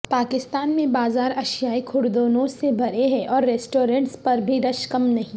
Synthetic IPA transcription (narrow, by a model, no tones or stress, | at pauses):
paːkɪst̪aːnmẽbaːzaːɾɐʃjaːikʰʊɽd̪oːnõsebʱɐɾeɦɛ̃ʔɔːɾːeːsʈoːɾẽɳʈspɐɾbʱiɾɐʃkɐmnɐɦĩ